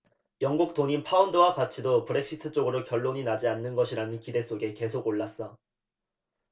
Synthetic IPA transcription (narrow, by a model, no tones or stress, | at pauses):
jʌŋɡuk̚t͈oɲinpʰaundɯwakat͡ɕʰidopɯɾe̞k̚ɕ͈ʰitʰɯt͡ɕ͈oɡɯɾokjʌɭːoɲinad͡ʑianːɯnɡʌɕʰiɾanɯnkide̞s͈oɡe̞ke̞sʰoɡoɭːas͈ʌ